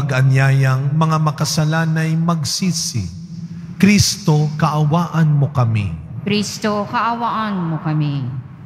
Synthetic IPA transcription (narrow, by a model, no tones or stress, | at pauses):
ɐɡɐnjaːjɐŋmɐŋamɐkɐsɐlaːnɐjmɐɡsiːsɪ̰ | kɾist̪okɐʔɐwaːʔɐnmokɐmḭ | kɾist̪okɐʔɐwaʔɐnmokɐmi